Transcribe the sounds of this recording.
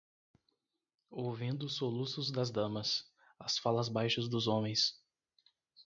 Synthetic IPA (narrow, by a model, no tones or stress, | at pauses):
owvĩnd̪ʊːsolusʊzd̪ɐzd̪ɐ̃mɐs | ɐsfalɐzbajʃɐzd̪ʊzõmẽj̃s